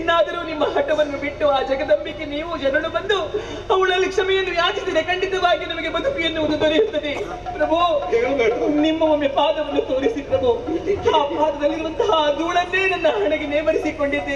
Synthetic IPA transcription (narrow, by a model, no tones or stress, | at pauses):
inːaːd̪ɐɾuːnimːɐɦɐʈːɐʋɐnːubiʈːuaːd͡ʒɐɡɐd̪ɐmbikːeniːʋud͡ʒɐnɐɭubɐnd̪u | ɐʋɐɭɐlːikʂɐmɛjɐnːujaːt͡ʃit̪iːd̪ekɐɳɖit̪ɐʋaːɡinɐmɐɡe̞bɐd̪ʱupijɐnːuɐd̪ud̪oɾijt̪ːɐd̪e | pɾɐbʱu | nimːɐmomjɐpaːd̪ɐʋɐnːut̪o̞ːɾisipɾɐbʱuaːpaːd̪ɐd̪ɐlːiɾʋɐnt̪ɐɦɐɐd̪uɭɐnːeːnɐnːɐɦɐɳɛɡeneːmɐɾisiko̞ɳɖid̪ːe